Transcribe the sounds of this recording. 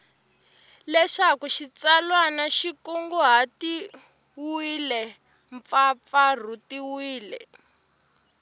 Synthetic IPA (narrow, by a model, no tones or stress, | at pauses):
lɛʂakuʃit͡salwanaʃikuŋɡuɦati | wilɛ | ɱp̪fap̪far̤utiwiːlɛ̰